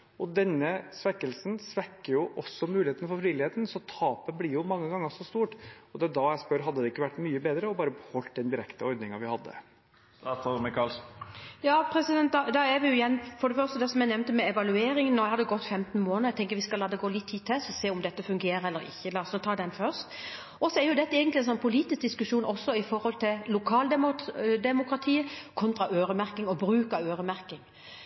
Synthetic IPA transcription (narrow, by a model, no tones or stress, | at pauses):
ʔɔd̪ɛnːəsʋɛkːəlsnsʋɛkːəɾjʊʔɔsːɔmʉːlɪheːt̪nəfɔɾfɾiːlɪheːt̪nsɔt̪ʰɑːpənblɪɾjʊmɑŋːəɡɑŋːəsɔst̪uːʈɔd̪ɛd̪ɑjæɪspœɾɦɑd̪ːəd̪ɛɪkːəʋæʈːmyːəbeːd̪ɾəɔbɑːɾəbhɔlt̪̚d̪ɛnd̪ɪɾɛkt̪əɔɾd̪nɪŋɑʋɪhɑd̪ːə̰ | t̪ɔmɛkʰɑlsjɑːpʰɾɛsɪd̪ɛnt̪̚d̪ɑd̪ɑɛʋɪjʊɪjɛnːfɔɖɛfœɾst̪əd̪ɛsɔmjæɪnɛʋnt̪əmɛɛʋɑlʉeːɾɪŋənːɔhɑd̪ɛɡɔt̪ːfɛmt̪n̩moːnəɾæɪt̪ʰɛŋkəɾʋɪskɑlːɑːd̪ɛɡoːlɪt̪ʰːiːt̪ʰːɛsɔseːʊmd̪ɛt̪ːəfʉŋɡeːɾəɛlːəɾɪ̰çːəlɑːɔsnɔt̪ʰɑːd̪ɛnfœɾst̪ | ʔɔsɔɛɾjʊd̪ɛt̪ːəɛːɡənt̪lɛnsɔnpʰʊliːt̪ɪsk̚d̪ɪskʉʂuːnʔɔsːɔɪfɔɾhɔlt̪ʰɪllʊkʰɑːld̪d̪ɛmʊkɾɑt̪ʰiːəkʰɔnt̪ɾɑʔøːɾəmæɾkɪŋɔbɾʉːkɑøːɾəmæɾkɪŋ